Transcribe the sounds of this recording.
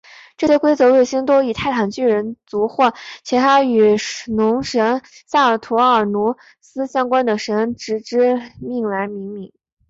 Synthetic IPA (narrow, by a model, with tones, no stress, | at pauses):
ʈ͡ʂɤ˥˩ɕjɛ˥kwe˥ɪt͡sɤ˧˥lwe˥˩ɪɕi˥ŋt̪o˥ʊi˨˩t̪ʰa˥˩ɪʈ͡ʂ̪ʰɑ˨˩ŋt͡ɕy˥˩ɻə˧˥nt͡su˧˥xwɔ˥˩t͡ɕʰɛ˧˥t̪ʰa˥y˨˩nʊ˧˥ŋʂə˧˥nsa˥˩˨t̪ʰu˧˥ə˞˨˩nu˧˥ | sɹ̩˥ɕjɑ˥ŋkwa˥nd̪ə˨ʂə˧˥nʈ͡ʂɻ̩˧˥ʈ͡ʂɻ̩˥mi˥˩ŋla˧˥nmi˧˥ŋmi˨˧˩ŋ